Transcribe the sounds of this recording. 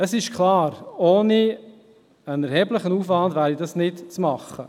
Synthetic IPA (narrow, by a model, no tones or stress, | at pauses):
əsɪʃkʰlɑːɾoːni | ənɛɾhɛːbləχənuːfvɑndvæːɾidɑsnɪtt͡smɑχːə